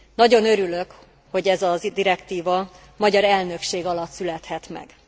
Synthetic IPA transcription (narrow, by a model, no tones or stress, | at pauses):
nɒɟo̞nø̞ɾylø̞k | ho̞ɟɛzɒzd̪iɾɛkt̪iːvɒ | mɒɟɒɾɛlnøkʃeːɡɒlɒt̪sylɛt̪hɛt̪mɛ̰ɡ̥